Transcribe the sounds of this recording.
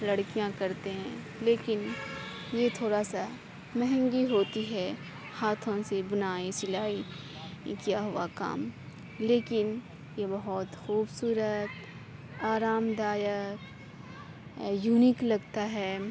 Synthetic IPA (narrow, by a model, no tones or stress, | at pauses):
lɐɽkijãkɐɾt̪eɦɛ̃ː | leːkɪn | jet̪ʰoːɾasa | mɛɦɛ̃ŋɡiɦoːt̪iɦɛ | haːt̪ʰõsebʊnaːisɪlaːi | kijaɦʊa̰ka̰ːm | leːkɪn | jebɐɦɔt̪xuːbsuːɾət̪ | aːɾaːmd̪aːjək | juːnɪklɐɡt̪aɦɛː